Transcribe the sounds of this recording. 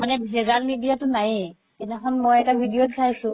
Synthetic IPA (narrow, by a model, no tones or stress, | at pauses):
manɛbʱɛzalmidijatʊnaj | ɛnɛɦɔnmojɛtabʱidijotsʰajsʊ̃